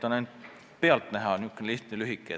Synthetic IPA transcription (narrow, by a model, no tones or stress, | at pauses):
t̪ːɑnæjnd̪ | peɑlt̪næɦɑnʲukːenliht̪nelyɦikːˑḛ